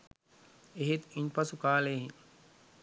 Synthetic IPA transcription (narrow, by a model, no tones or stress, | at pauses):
eɦet̪iɲpɐsukaːleːɦiɲ